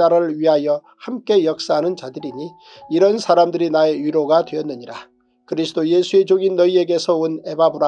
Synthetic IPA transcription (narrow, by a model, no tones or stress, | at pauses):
aɾɯɭɥiɦajʌ | hamk͈e̞jʌk̚s͈aɦanɯnt͡ɕadɯɾiɲi | iɾʌnsʰaɾamdɯɾinae̞jɥiɾoɡadwe̞ʌnːɯɲiɾa | kɯɾisʰɯdoje̞sʰue̞d͡ʑoŋinːʌie̞ɡe̞sʰʌune̞babuɾa